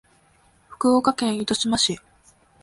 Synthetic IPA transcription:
ɸɯ̟̥kɯ̟okakẽ̞ɰ̃it̪o̞ɕimaɕi

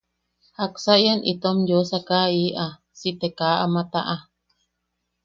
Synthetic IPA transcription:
haksaʔjanʔḭt̪omjosakaiʔa | sit̪ekaːʔamãt̪aʔa

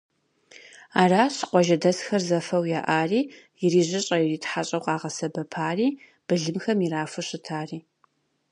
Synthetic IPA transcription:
aːraːɕɨ̥qʷɔʒɐdɐsxɐrzɐfɐwjaʔaːriː | jɪriːʑɪɕʼɐjɪriːtħaɕʼɐwqʼɑːʁɐsɐbɐpʰaːriː | b̥ɨɮɨmxɐmiɾaːfɨɕɪtʰaːriː

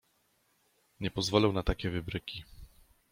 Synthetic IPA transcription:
ɲɛpɔzvɔlɛwnat̪akʲɛvɘbɾɘkʲi

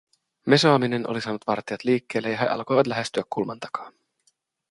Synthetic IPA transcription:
me̞soɑmine̞nʔo̰lisɑːnut̪ʋɑrt̪iɑt̪liːkːeːlːejɑɦeʔɑ̰lko̞jʋɑt̪læɦest̪yækːulmɑnt̪ɑ̥kɑ̥ːn

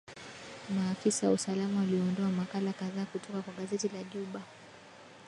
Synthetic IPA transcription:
maːfisawa̰usalamawaliɔɔndɔamakalakaðaːkutʰɔkakwaɠazɛtilaʄuɓa

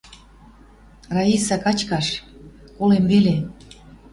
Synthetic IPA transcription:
rɑisɑkɑt͡ɕkɑʃ | kolemβele

